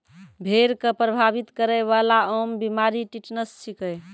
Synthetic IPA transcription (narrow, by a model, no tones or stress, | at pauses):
bʱeɾkəpɾəbʱabit̪kəɾɛjβalaɔmbimaɾiʈiʈnəssikə